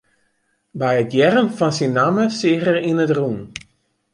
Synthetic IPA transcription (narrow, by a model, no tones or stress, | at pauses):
bɛjətjɛrənfɔnsinːaməsɪəxərinətrun